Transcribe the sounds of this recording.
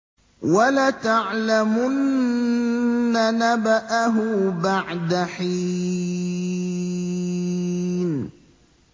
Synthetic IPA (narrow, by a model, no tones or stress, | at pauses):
walat̪aʕlamʊnnː | anabaʔaɦʊbaʕd̪aħi | n